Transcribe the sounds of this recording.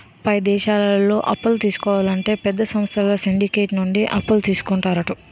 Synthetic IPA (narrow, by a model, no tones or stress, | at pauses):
pɐjd̪ɛːʃaːlɐlːo̞ːʔɐpːulut̪iːsu̥kɔːʋaːlɐɳʈe̞ːpɛd̪ːɐsɐmst̪ʰɐlɐsiɳɖike̞ːʈnuɳɖiʔɐpːult̪iːsu̥kuɳʈaːɾɐʈu